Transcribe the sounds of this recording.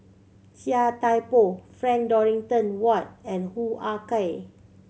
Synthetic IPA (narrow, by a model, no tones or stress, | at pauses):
tiatajpofɹɛ̃ŋk̚dɔɹĩŋtɔ̃nwɔt̚ɛ̃nhuʔakaj